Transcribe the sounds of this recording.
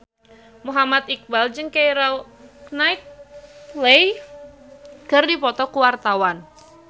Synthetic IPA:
muɦamat̪ik̚bald͡ʒɨŋkejɾawknaɪk̚lej | ɡ̥ardipɔt̪ɔkuwart̪awan

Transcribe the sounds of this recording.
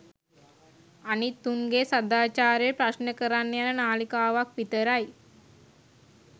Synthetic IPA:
anit̪ːuŋɡesəd̪aːt͡ʃaːɾepɾasnəkəɾanːjanənaːlikaːʋakʋit̪əɾaj

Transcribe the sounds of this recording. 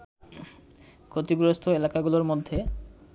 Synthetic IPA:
kʰot̪iɡɾost̪ʰoelakaɡuloɾmod̪ʱːe

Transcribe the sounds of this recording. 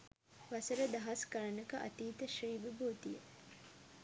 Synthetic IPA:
ʋɐsəɾəd̪ɐɦɐskɐɾɐnɐkɐʔɐ̰t̪iːt̪əʃriːʋiboːt̪ije

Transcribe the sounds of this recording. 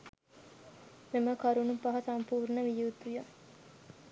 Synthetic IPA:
meməkɐɾunupɐɦɐsɐmpuːɾɳəʋijuːt̪ujə

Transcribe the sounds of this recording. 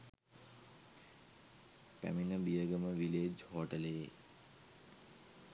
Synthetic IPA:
pæ̰minəbijəɡəməʋiled͡ʒhoʈəle

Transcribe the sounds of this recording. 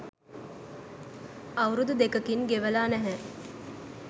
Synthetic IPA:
ɐwɾud̪ud̪ekəkinɡeʋəlaːnɛɦɛ

